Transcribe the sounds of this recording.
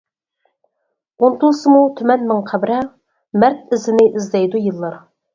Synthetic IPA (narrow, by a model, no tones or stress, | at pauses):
ont̪ʰulˠsɨmut̪ʰymɛnmɪŋqʰæbɾɛ | mæɾt̪̚ɪzɪnɪʔizlɛjd̪ujɨlˠːɑɾ